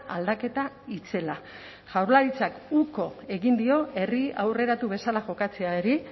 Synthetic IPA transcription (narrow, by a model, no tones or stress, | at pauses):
ʔald̪ake̞t̪a | it͡se̞la | ʝawɾlaɾit͡sakuko̞e̞ɣind̪io̞e̞riawre̞ɾat̪uβe̞salaʝo̞kat͡se̞aeɾi